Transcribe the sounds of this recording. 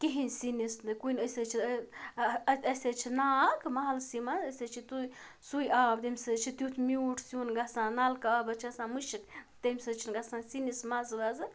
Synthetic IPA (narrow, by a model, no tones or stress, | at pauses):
kiɦinʲsinisnd̪ɨkunəsət͡ʃʰi | ɐsʲet͡ʃʰinaːkmaɦɐlsimaəsət͡ʃʰit̪uj | sujʔaːb̚d̪emʲsət͡ʃʰit̪jut̪ʰmiuːʈʰsjunɡasãːnalkaaːbɐt͡ʃʰɐsãmɨʃikt̪əmʲsət͡ʃʰinɡasãnsinismazlazɨ